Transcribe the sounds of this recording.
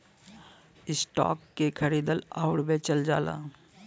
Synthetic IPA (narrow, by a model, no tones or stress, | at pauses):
ɪsʈɔ̰ːkːekʰəɾiːd̪əla̰ːʊɽbeːt͡ʃəld͡ʒaːla̰ː